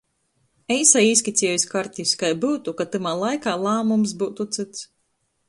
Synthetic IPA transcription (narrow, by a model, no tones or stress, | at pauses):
ɛjsajiːsʲkʲit̪sʲijɔjsʲkaɾt̪ʲisʲkajbuːt̪ukat̪ɨmaːlˠajkaːlˠaːmums̬buwt̪ut̪sɨt̪s